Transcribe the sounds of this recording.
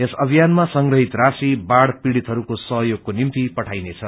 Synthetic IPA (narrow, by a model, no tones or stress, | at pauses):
esʌbʱijanmasʌŋɡrʌɦit̪rasibaɽpiɽit̪ɦʌɾukosʌɦʌjoɡ̚konimt̪ipʌʈʰajnet͡sʰʌ